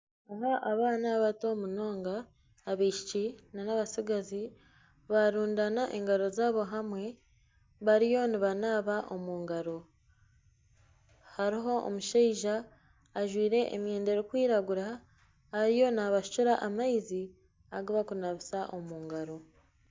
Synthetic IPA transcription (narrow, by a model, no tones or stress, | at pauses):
aɦaʔaβaːnaβato̞muno̞ːŋɡaː | βeiʃit͡ʃinanaβasiɡazi | βaɾuːndanaʔeŋɡaɾo̞zaːβo̞ɦamwe̞ | βaɾijo̞niβanaːβaʔo̞muːŋɡaɾo̞ | haɾiɦo̞o̰muʃaiʒaː | ʒwiːɾe̞ʔḛmje̞ːnde̞ɾokwiːɾaɡuɾa | aɾijo̞naβaʃu̥t͡ʃuɾaʔamaizi | aɡoβakunaβisaʔomuːŋɡaɾo̞